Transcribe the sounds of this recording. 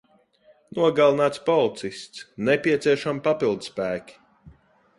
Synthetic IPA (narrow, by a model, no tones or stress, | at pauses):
nuɔɡalˠnaːt̪spɔlˠt̪sist̪snɛpiɛt̪siɛʃampapilˠd̪spæːkʲi̥